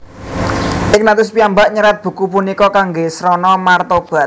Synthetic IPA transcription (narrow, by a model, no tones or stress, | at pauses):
ʔɪk̚nat̪ʊs̬piambaʔɲəɾat̪̚b̥ṳkupunikɔkaŋɡesɾɔnɔmart̪ob̥a̤t̪̚